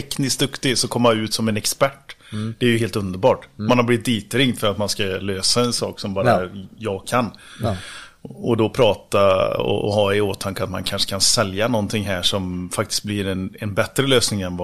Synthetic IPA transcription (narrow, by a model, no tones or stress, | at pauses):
ɛknɪsk̚d̪ɵkt̪ɪsɔkʰɔmːaʉ̟ːt̪sɔmɛnɛkspæʈːd̪̥ɛæɾjɵɦeːlt̪ɵnd̪əɾbɑːʈmanhablɪvɪt̪̚d̪iːt̪ɾɪŋd̪fœɾat̪manskaløːsaɛnsɑ̰ːksɔmbɑːɾajɑːɡkʰanː | ɔd̪ɔpʰɾɑːt̪aɔ̰ɔ̰ɦɑːɛoːt̪ʰːaŋkːəat̪ma̰nkʰanʂə̥kʰansɛljanɔnt̪ʰɪŋɦæːʂɔmfakt̪ɪ̥st̪̚blɪɾɛnɛnbɛt̪ɾəløːsnɪŋɛnv